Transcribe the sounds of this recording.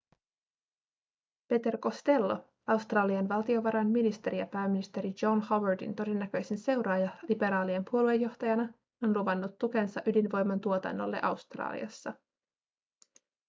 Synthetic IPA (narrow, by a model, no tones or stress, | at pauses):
pe̞t̪e̞rko̞st̪e̞lːo̞̰ | ɑwst̪rɑːliɑnʋɑlt̪io̞ʋɑɾɑnminist̪e̞ɾijɑpæːmːinist̪e̞ɾid͡ʒo̞nhowədḭnt̪o̞de̞nːæk̟ø̞jsense̞wɾɑːjɑlibe̞ɾɑːliempuolue̞jːo̞ht̪ɑjɑnɑ | onluʋɑnːut̪ːuk̟ensɑʔydinʋo̞jmːɑnt̪uot̪ɑ̰nːo̰lːe̞̰ʔɑwst̪rɑ̰ːlḭɑ̰sːɑ